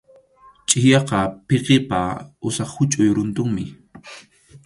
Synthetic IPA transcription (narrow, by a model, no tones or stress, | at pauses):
t͡ʃʼɪjɑqɑpeqepaʊsɑχhʊt͡ʃʼʊjɾʊnt̪ʊŋmɪ